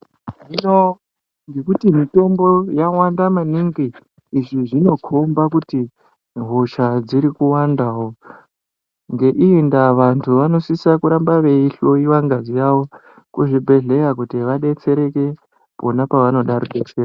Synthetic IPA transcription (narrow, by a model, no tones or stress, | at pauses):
ʐino | ŋɡe̞kutimito̞mbo̞jawandamaniŋɡiː | ʐiʐino̞kʰo̞mbakuti | ɦoʃad͡ziɾikuwandawo̞ | ŋɡe̞ʔiendaʋantʰuʋano̞sisakuɾambaʋe̞iɬo̞jiwaŋɡazijaʋo̞ | kuʐibʱe̞ɮe̞jak̬utiʋaɗe̞t͡se̞ɾe̞ke̞ | po̞napaʋano̞ɗaɾuɗet͡seːra